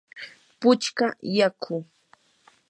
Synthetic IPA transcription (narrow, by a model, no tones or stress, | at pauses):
pʊt͡ʃkajakʰʊ